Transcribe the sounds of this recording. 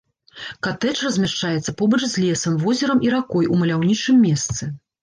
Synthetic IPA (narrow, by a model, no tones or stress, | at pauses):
kat̪ɛt͡ʂrɐzʲmʲaʂt͡ʂajɛt̪sːɐpɔbɐt͡ʂzʲlʲesɐmvɔzʲɛɾɐmʔiɾakɔjumɐlʲawnʲit͡ʂɨmʲːɛst̪sɨ